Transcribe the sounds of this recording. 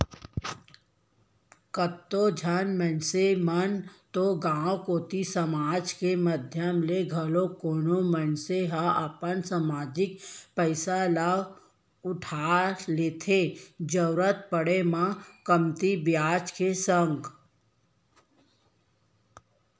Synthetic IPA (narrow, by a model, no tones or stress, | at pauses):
kət̪ːod͡ʒʱənmənsemənt̪oɡãːwkoːt̪isəmaːd͡ʒkeməd̪ʱjəmleɡʱəlokoːnomənseɦaʔəpənsamaːd͡ʒɪkpəɪsalaːb | ʊʈʰaːleːt̪ʰed͡ʒəʊɾət̪̚pəɽemãkəmt̪ibjaːd͡ʒkesəŋɡ